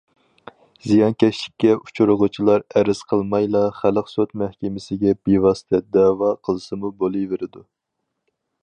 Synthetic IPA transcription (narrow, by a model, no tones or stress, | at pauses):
zijɑnkʲʰɛʃlɪ̥kʲːɛu̥t͡ʃʰuɾʊʁʊt͡ʃʰilˠɑɾæɾɪz̥qʰəlˠmɑjlˠɑχæləqsot̪mæhkʲɛmɪsɪɡʲɛbewɑːsɨ̥t̪ʰɛd̪æːwɑqʰəlˠɨsɨmubolˠɨjveɾɪd̪u